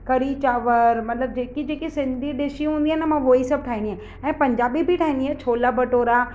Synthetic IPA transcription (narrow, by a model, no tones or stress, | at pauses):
kɐɾit͡ɕaːʋəɾmɐt̪ləb̚d͡ʑeːkid͡ʑeːkisɪ̃nd̪ʱiɖɪʃiɦũːn̆d̪iɦaːnəmãʋoːisɐb̚ʈʰaːɦĩnd̪iɦã | ɛ̃ːpɐ̃ɲd͡ʑaːbibʱiʈʰaːɦĩnd̪iɦaːt͡ɕʰoːlabɐʈoːɾa